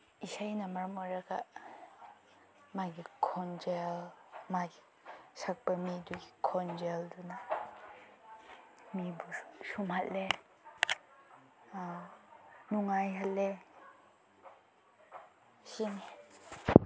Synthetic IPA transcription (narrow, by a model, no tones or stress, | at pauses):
isajnamaɾmɔɾaɡa̰ | maɡikʰɔnd͡ʒelmaɡi̥ | sak̚b̥amiduɡikʰɔnd͡ʒelduna | mibusumhatle | nuŋajɦalːe | sine